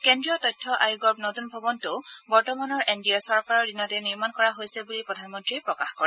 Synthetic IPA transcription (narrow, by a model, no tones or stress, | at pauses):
kɛndɹiɔtɔjtʰːɔʔajuɡɔɹpnotunbʱɔbɔntʊbɔɹtɔmanɔɹʔɛndiasɔɹkaɹɔɹdinɔtɛniɹmankɔɹaɦojsɛbulipɹɔdʱanmɔntɹipɹɔkaxkɔɹɛ